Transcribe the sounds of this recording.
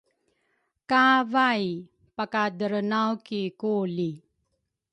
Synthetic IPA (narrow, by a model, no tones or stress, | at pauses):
kavaj | pakadəɾnawkikuli